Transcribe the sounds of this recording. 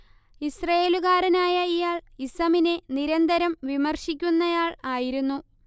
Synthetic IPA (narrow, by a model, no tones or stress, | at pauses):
isrɐjeːluɣaːɾɐnaːjɐijaːɭisɐmine̞niɾɐnd̪ɐɾɐmʋimɐrɕikʲːunːɐjaːɭaːjiɾunːu